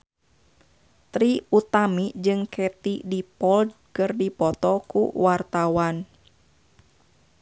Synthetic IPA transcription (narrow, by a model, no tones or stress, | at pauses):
t̪ɾiut̪amid͡ʒɨŋkʰɛt̪idipɔld̚ | kɨrdipɔt̪ɔkṵwart̪awan